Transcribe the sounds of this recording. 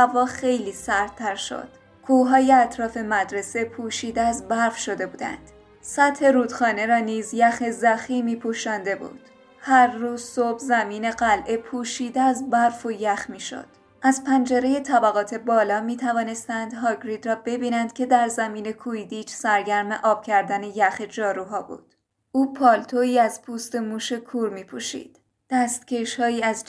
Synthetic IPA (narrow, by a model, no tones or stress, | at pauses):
hævɒːxe̞jliːsæɾd̪̚t̪ʰæɾʃo̞̰d̪̥ | kʰuːɦɒːje̞æt̪ʰɾɒːfe̞mæd̪ɾe̞se̞pʰuːʃiːd̪eæzbæɾfʃo̞d̪e̞buːd̪æ̰nd̪̥ | sæt̪he̞ɾuːd̪̥xɒːne̞ɾɒːniːzjæxe̞zæxiːmiːpʰuːʃɒːnd̪e̞bṵːd̪̥ | hæɾːuːz̥sobzæmiːne̞ɡælʔe̞pʰuːʃiːd̪eæzbæɾfojæxmiːʃo̞̰d̪̥ | ʔæzpʰænd͡ʒeɾeje̞t̪ʰæbæɣɒːt̪ʰe̞bɒːlɒːmiːt̪ʰævɒːne̞st̪ænd̪ɦɒːɡɾiːd̪rɒːbe̞biːnænd̪̥kʲʰe̞d̪æɾzæmiːne̞kʰuid̪iːt͡ʃsæɾɡæɾme̞ʔɒːb̥cʰæɾd̪æne̞jæxe̞d͡ʒɒːɾuːɦɒːbṵːd̪̥ | ʔuːpʰɒːlt̪ʰoiːæzpʰuːst̪e̞muːʃe̞kʰuːɾmiːpʰuʃḭːd̪̥ | d̪̥æst̪ce̞ʃhɒːjiːæz